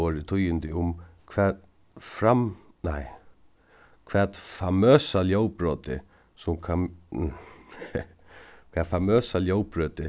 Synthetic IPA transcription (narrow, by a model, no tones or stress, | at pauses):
oːɾɪt̪ʰʊjɪnt̪ɪʊmkʰʋɛːt̪ | fɾam | naɪ | kʰʋɛːt̪famøːsaljowpɾoːt̪ɪ | sʊmkʰa | kʰvɛːfamøːsaljowpɹøːt̪ɪ